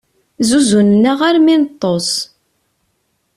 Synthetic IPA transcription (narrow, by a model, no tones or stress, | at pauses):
zuzunənːaʁaɾmint̪ˤːos